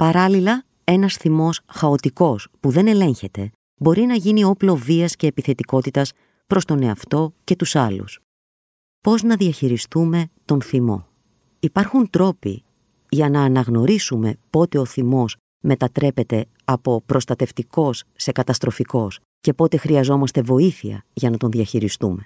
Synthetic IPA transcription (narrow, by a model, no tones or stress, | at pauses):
pɐɾɐlilɐ | e̞nɐsθimo̞sxɐo̞t̪iko̞spuðe̞ne̞le̞ɲçe̞t̪e̞ | bo̞ɾinɐʝinio̞plo̞viɐsce̞ːpiθe̞t̪iko̞t̪it̪ɐs | pɾo̞st̪one̞ɐft̪o̞ce̞t̪usɐlṵs | po̞znɐðiɐçiɾist̪ume̞t̪o̞nθimo̞̰ | ipɐɾxunt̪ɾo̞pḭ | ʝɐnɐːnɐɣno̞ɾisume̞po̞t̪e̞o̞θimo̞s | me̞t̪ɐt̪ɾe̞pe̞t̪e̞ | ɐpo̞pɾo̞st̪ɐt̪e̞ft̪iko̞sːe̞kɐt̪ɐst̪ɾo̞fiko̞s | ce̞po̞t̪e̞xɾiɐzo̞mɐst̪e̞vo̞iθiɐ̰ʝɐnɐt̪o̞nðiɐçiɾist̪ṵme̞